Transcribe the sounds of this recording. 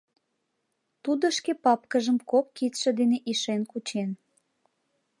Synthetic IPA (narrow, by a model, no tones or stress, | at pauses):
t̪ud̪əʃkepɑpkəʒəmkokːit̪ʃed̪eneʔiʃenkut͡ɕen